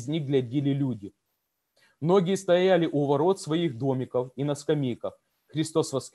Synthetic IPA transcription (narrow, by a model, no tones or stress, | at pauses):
zʲnʲiɣɡlʲɐdʲilʲɪlʲudʲɪ | mno̞ɡʲɪjəst̪ɐjalʲɪʔuvɐɾo̞t̪svɐixd̪o̞mʲɪkəfinɐskɐmʲijkɐf | xɾʲɪst̪o̞svɐsk